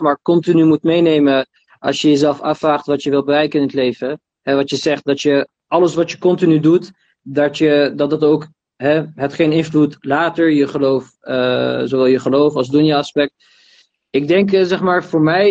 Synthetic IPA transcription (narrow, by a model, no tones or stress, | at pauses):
maːɹkɔntinymutmejnejmə | ʔɑ̰lsjəjəzɛlˠfɑfraːχtʋɑtjəʋɪlˠbərɛjkənɪnətlejvə | ɦɛʋɑtjəzɛχt̚dɑtjə | ʔɑləsʋɑtjəkɔntinydut | dɑtjədɑt̚dɑtowk | ɦɛɦətχejnɪnflutlaːtəɹjəχəlowf | əzowʋɛlˠjəχəlowfɑlˠsdunjəɑspɛk̚t | ɪɡ̚dɛŋkzɛχmaːɹvʊːɹmɛj